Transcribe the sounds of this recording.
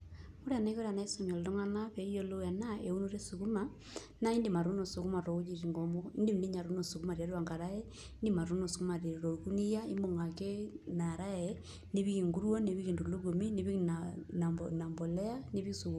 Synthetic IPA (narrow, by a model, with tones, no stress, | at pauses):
u˦ɾa˨na˦i˦ko˦ɾa˨na˦i˦so˨mi˨o˨llo˦ŋa˦na˦βe˨˦i˦jo˦lo˦ja˨na˦e˨u˦nu˦ɾe˦su˨ku˦ma | na˦i˦ndi˨ma˨ɾu˦no˨su˨ku˦ma˨ɾo˨u˦d͡ʒi˨ɾi˨ŋɡo˨mo˦i˦ndi˦m˨di˦ɲa˨ɾu˦no˨su˨ku˦ma˨ɾi˨a˦ɾwa˨ŋɡa˨ɾa˦e˦ | i˦ndi˦ma˨ɾu˦no˨su˨ku˦ma˨ɾi˨ɾo˨ku˦ni˦ja˦i˦mo˨ŋa˨ke˦na˨ɾa˦e | ni˦βi˦ki˨ŋɡu˦ɾwo˦ne˨βi˦ɣi˨ndu˨lu˦ɡo˨mi˦ne˦βi˦ana˨mbo˨lɛ˦a˦ni˦βi˦su˨ku˨